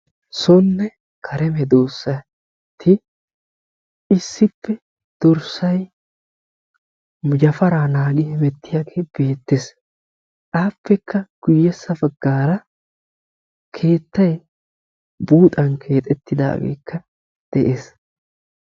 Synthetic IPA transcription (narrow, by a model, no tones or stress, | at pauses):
sɔnːɛ | kʰɐɾɛmɛd̪oːsːɐ | t̪ʰːɪ | ɪsːɪpːɛ | d̪̥ɔɾsɐj | mʊd͡ʒɐfɐɾaːnaːɡɪhɪmɛt̪ːɪjaɡeb̥e̞ːt̪ːes | ʔaːpːɛkːɐɡ̥ʊjːɛsɐbɐɡːaːɾɐ | kʰe̞ːt̪ːɐj | buːt̪ʼɐnkʰe̞ːt̪ʼɛt̪ːɪd̪a̰ːɡḛːkːɐ | d̪̥ɛʔe̞ːs